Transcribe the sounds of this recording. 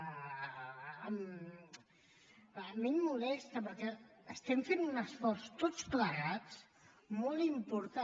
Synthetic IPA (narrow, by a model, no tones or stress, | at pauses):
əm | əmimːulɛst̪əpəɾkɛəst̪ɛmfenunəsfɔrst̪ot͡skləɾat͡s | molˠimpuɾt̪a